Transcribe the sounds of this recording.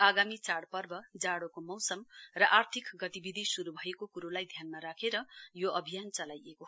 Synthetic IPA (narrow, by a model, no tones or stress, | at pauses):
aɡamit͡saɽpʌrbʌd͡zaɽokomʌwsʌmrʌʔart̪ʰikɡʌt̪ibid̪ʱisuɾubʱʌjekokuɾolajd̪ʱjanmaɾakʰeɾʌjoʔʌbʱijant͡sʌlajeko